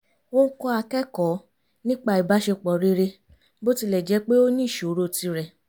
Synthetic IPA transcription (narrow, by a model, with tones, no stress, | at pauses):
o˦kɔ˦a˧kɛ˦kɔ˨˦ | nĩ˦k͡pa˧i˨ba˨˦ʃe˧k͡pɔ˨ɾe˧ɾe˧ | bo˦ti˧lɛ˨d͡ʒɛ˨˦k͡pe˦o˦nĩː˦˨ʃo˨˦ɾo˧ti˧ɾɛ˨